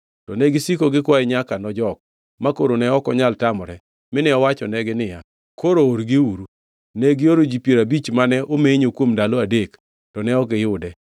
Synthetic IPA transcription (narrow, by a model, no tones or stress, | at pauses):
tɔnɛɡɪsikoɡɪkwaɪɲakanɔd͡ʒɔk̚ | makoɾonɛɔkɔɲaltamɔɾɛ | mɪnɛɔwat͡ʃɔnɛɡɪnɪja | kʰoɾooɾɡɪuɾu | nɛɡɪoɾod͡ʒipjeɾabit͡ʃmanɛʔomeɲokwomdaloadek | tɔnɛɔɡɪjʊdɛ